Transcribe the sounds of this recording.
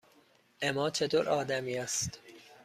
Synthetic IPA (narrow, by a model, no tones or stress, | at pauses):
ʔemɒːt͡ʃʰe̞t̪ʰoːɾʔɒːd̪æmiːæst̪